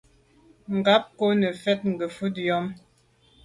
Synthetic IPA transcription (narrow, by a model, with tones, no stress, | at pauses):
ŋ̩˨ɡa˦p̚ko˦nə˨fɛ˦t̚ŋ̩˨ɡə˨fu˦tjɔ˦m